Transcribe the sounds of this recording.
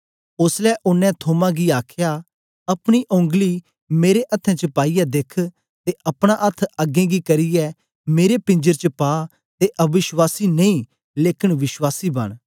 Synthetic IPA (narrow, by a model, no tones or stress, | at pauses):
ʊslɛʔʊnːɛ̃t̪ʰoːmãɡiaːkʰja | ɐpɽ̃iʔõŋɡli | meːɾeʔɐt̪ʰːɛ̃t͡ʃəpaːijad̪eːkʰ | t̪eʔɐpɽ̃ãʔɐt̪ʰːɐɡẽːɡikɐɾijɛ | meːɾepɪ̃ɲd͡ʒəɾt͡ʃəpaː | t̪eʔɐbɪʃwaːsineĩː | leːkɪɽʋɪʃwaːsiːbɐ̰ɽ̃